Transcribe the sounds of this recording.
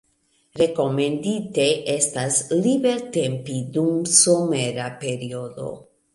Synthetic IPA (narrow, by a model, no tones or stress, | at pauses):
ɾe̞ko̞me̞ndite̞ʔe̞staslibe̞lte̞mpidumsome̞ɾape̞ɾio̞do̞̰